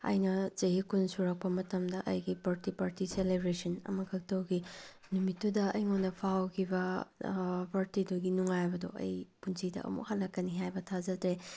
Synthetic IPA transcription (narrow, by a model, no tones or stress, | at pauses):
ɐ̰jnɐzɐɦikunsuɾɐk̚pɐmɐtɐmdɐʔɐ̰jɡipɐɾtipɐɾtiselebɾesɐnɐ̰mɐkʰɐk̚tɐwɡi | numitːudɐɐjŋonɐpʰawkʰibɐ | pɐɾtiduɡinuŋajbɐdoɐ̰jpunsʰidɐ̰ʔɐ̰mṵk̚hɐlːɐkːɐniɦajbɐtʰazɐdɾe